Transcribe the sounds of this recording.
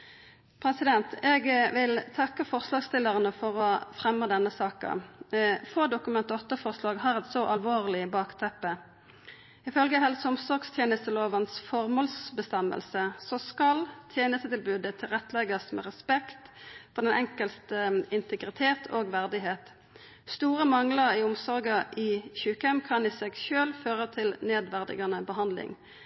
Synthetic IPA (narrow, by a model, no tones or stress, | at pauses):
pʰɾɛsɪd̪ɛnt̪ɛɡʋɪlt̪ʰɑkːəfɔʁslɑːɡst̪ɪlːəʁənəfɔʁɔfɾɛmːəd̪ɛnːəsɑːkə̰ | foːd̪ʊkʉmɛnt̪əʁɔt̪ːəfɔʁslɑːɡɦɑʁɛt̪sɔʔɑlʋoːʁlɪbɑːkt̪ʰɛpːə | ɪfœlɡəɦɛlsɔmsɔʁɡst̪ʰjeːnəst̪əloːʋənsfɔʁmoːlsbəst̪ɛmːə̰lsəsɔskɑlt̪ʰjeːnəst̪ət̪ɪlbʉːd̪ət̪ʰɪlʁɛt̪lɛɡɑsmɛ̰ːʁɛspɛkt̪fɔʁd̪ɛnʔɛŋkəlst̪əɪnt̪əɡʁɪt̪ʰeːt̪ʰoːɡʋæʁd̪ɪɦeːt̪ | st̪uːʁəmɑŋləʁiʊmsɔʁɡɑʔɪçʉːkɛmːkʰɑnɪsɛɡʃøːlføːʁət̪ʰɪlneːd̪ʋæʁd̪ɪ̰ɡɑnəbəɦɑnd̪lɪ̰ŋ